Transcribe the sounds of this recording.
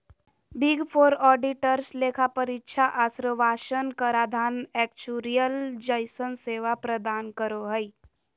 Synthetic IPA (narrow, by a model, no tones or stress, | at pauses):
biɡpʰoːɾɔːɖiʈəɾsleːkʰapəɾɪtːʃʰaʔasɾəʋaːʃənkəɾad̪ʱaːnɛːkt͡ʃuːɾijəld͡ʒəɪsənseːʋapɾəd̪aːnkəɾoɦəi